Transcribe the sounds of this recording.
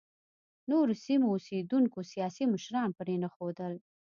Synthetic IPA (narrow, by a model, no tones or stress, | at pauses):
noɾosimoːsed̪uŋkosijɑsiməʃɾɑnpəɾenaxod̪əl